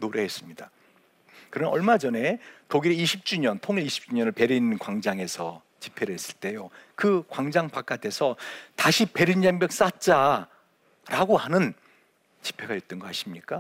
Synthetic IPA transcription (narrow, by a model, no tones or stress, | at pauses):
noɾe̞ɦes͈ɯmɲida | kɯɾʌnnʌɭmad͡ʑʌne̞toɡiɾiiɕʰip̚t͡ɕ͈uɲʌntʰoŋiɾiɕʰi̥p̚t͡ɕ͈uɲʌnɯɭpe̞ɾinɯnkwaŋd͡ʑaŋe̞sʰʌ | t͡ɕi̥pʰe̞ɾɯɦe̞s͈ɯ̥ɭt͈e̞jokɯkwaŋd͡ʑaŋpak͈̚atʰe̞sʰʌtaɕʰipe̞ɾind͡ʑaŋbjʌk̚s͈at̚t͡ɕ͈a | ɾaɡohanɯn | t͡ɕi̥pʰe̞ɡaɥet̚t͈ʌnɡʌɦaɕʰimɲik͈a